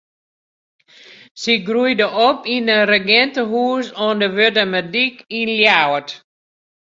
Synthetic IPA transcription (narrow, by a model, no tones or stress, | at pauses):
siɡrujdəʔopinərəɡɛntəɦuːəsɔndəʋødəmədikinljawət